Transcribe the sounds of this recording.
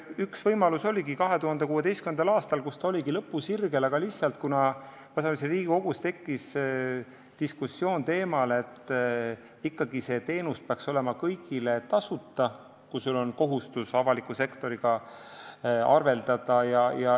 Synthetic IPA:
yksvɤjmɑluso̞lʲiɡikɑɦe̞t̪uhɑnd̪ekuːe̞t̪e̞jstkymend̪ɑlɑːst̪ɑlkust̪ɑo̞liɡilɤpːusirɡ̥e̞lɑɡ̥ɑlisːɑlt̪̚kunɑ | pɑsɑliseriːɡ̥iko̞ɡ̥ust̪e̞kːis | t̪iskusːjo̞ːnt̪e̞ːmɑle̞t̪ː | ikːɑɡ̥ise̞ːt̪e̞ːnuspeɑkso̞le̞mɑkɤjɡile̞t̪ɑsut̪ːˑɑ | kusulo̞nko̞ɦust̪usɑvɑlikːˑuse̞kt̪o̞ɾiɡ̥ɑ | ɑ̰rve̞ld̪̥ɑd̪̥ɑjɑjɑ

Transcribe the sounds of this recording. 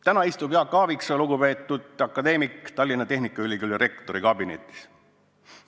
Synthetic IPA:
t̪ænɑist̪ubeɑkːɑːviksɑluɡupe̞ːt̪ˑːud̪ɑkːˑɑd̪e̞ːmikt̪ɑlʲːinɑt̪e̞ɦnikːˑɑylʲikylʲːjɑɾe̞kt̪o̞ɾikɑbinet̪ːˑi̥s

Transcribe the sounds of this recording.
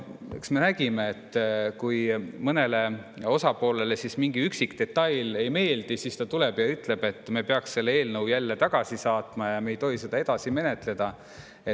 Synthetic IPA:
eksme̞næɡ̥imeet̪ːkujmɤne̞le̞ | o̞sɑpo̞ːle̞le̞sismiŋɡ̥iyksikt̪e̞t̪ːɑjle̞jme̞ːld̪̥isiːst̪ɑt̪ule̞b̥jɑyt̪ˑle̞b̥e̞t̪ːˑmepeɑksse̞lːee̞ːlnɤwjælːet̪ɑɡ̥ɑsisɑːt̪mɑjɑmejt̪o̞ɦise̞d̪̥ɑe̞d̪̥ɑsime̞ne̞t̪ˑle̞d̪̥ɑ | e

